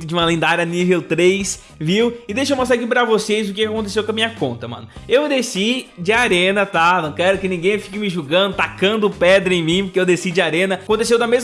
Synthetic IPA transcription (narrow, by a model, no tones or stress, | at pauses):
t̪ʊd͡ʒɪũmɐlĩnd̪aɾɐnivewt̪ɾejs | viwɪd̪ejʃewmõst̪ak̬ipɾɐvosejzʊk̬ɪkakõnt̪esewkɐmĩɲɐkõnt̪ɐmɐ̰̃nʊewd̪esid͡ʒɪaɾẽnɐt̪anɐ̃w̃kɛɾʊkɪnĩɡẽj̃fikɪmɪʒuɡɐ̃nd̪ʊt̪akɐ̃nd̪ʊpɛd̪ɾɐẽj̃mĩpʊkeewd̪esid͡ʒɪaɾẽnɐkõt̪esewd̪ɐmez